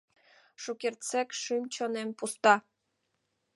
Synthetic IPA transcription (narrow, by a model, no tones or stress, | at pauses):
ʃukʲert͡sekʃɨmt͡ɕonempust̪ɑ